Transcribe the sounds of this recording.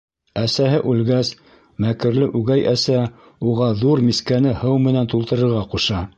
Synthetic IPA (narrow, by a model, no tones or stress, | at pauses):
æsæɦɘʔʉlɡæs | mækɘ̆ɾlɘʔʉɡæjʔæsæ | uʁɑðuɾmiskænɘhɤwmɘ̆nænt̪ulˠt̪ɤ̆ɾɤ̆ɾʁɑquʃɑ